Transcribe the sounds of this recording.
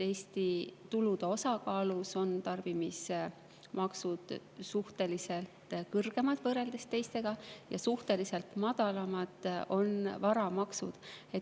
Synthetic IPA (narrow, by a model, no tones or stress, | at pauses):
e̞ːst̪it̪ulud̪̥e̞o̞sɑkɑːluso̞nt̪ɑrv̥imis | mɑksud̪̥suht̪e̞lise̞lt̪kɤrɡ̥e̞mɑd̪̥vɤɾe̞ld̪e̞st̪e̞jst̪e̞ɡ̥ɑjɑ̰suht̪e̞lise̞lt̪mɑd̪̥ɑlɑmɑd̪̥o̞nvɑɾɑmɑksud̪̥e̞